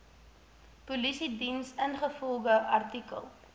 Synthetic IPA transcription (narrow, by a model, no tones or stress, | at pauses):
pulisidinsənχəfɔlˠɡəʔɐrtikə̰lˠ